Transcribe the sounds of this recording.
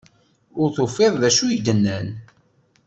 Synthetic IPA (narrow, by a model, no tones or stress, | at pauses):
ʊɾθofːɪðˤðæʃujəd̪ənːæn